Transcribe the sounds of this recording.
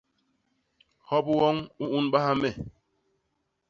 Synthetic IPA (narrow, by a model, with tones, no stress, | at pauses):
hɔ˦bwɔ˦ŋu˦u˦nɓa˦ha˦mɛ˦˨